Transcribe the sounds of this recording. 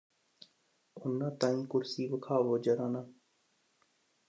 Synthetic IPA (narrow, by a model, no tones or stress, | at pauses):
ʊnːãːt̪ãːĩːkʊɾsiːʋəkʰaːʋoːd͡ʒəɾaːnãː